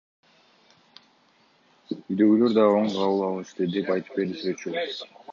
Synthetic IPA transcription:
yjd̪ø̞ɡylø̞ɾd̪ɑo̞ɴqʰɑwɯlˠɑlˠɯʃt̪ɯd̪e̞pɑjt̪ɯ̥p̚be̞ɾisyet͡ʃy

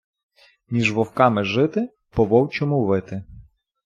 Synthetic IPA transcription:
nʲiʒʋɔwkɑmɪʒɪt̪ɪ | pɔʋɔwt͡ʃɔmʊʋɪt̪ɪ

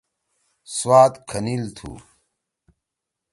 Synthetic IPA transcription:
swaːt̪kʰɐnilt̪ʰṵ

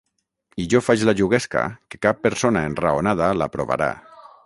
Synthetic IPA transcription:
iʒɔfat͡ʃlaʒuɣɛska̰ke̥kapːeɾsonaenraonað̞alapɾoβa̰ɾa̰

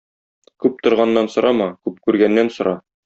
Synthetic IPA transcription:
kʉp̚t̪ŏɾʁɑnːɑnsŏɾʔɑmɑkʉp̚kʉɾɡænːænsŏɾʔɑ

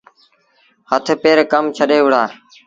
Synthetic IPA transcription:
hət̪ʰpeːɾkəmt͡ʃʰəɗeːʊɽ̤aː

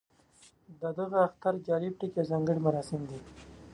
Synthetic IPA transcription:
d̪əd̪əɣaaxt̪aɾd͡ʒɑːlib̚ʈikezɑːŋɡəɽimaɾɑsɪmd̪i

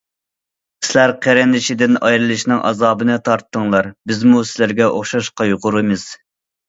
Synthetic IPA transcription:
ssɪlæɾqʰæɾɛnd̪ɪʃid̪ɪnɑjɾɨlˠɨʃnɨŋʔɑ̰zɑːbɨnɨt̪ʰɑɾt̪ʰːəŋlˠɑɾbɪzmusɪlæɾɡʲɛʔoχʃɑʃqɑjoʁʊɾɨmɨz̥

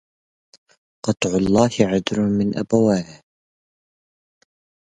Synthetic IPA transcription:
qɑt̪ˤʕʊlˤːɑːhɪʕad̪ɾʊmɪnʔa̰bawaːnh

